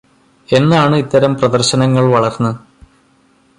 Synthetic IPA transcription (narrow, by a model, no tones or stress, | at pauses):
e̞nːaːɳɨit̪ːɐɾɐmprɐðɐrɕɐnɐŋːɐɭʋɐɭɐrnːɨ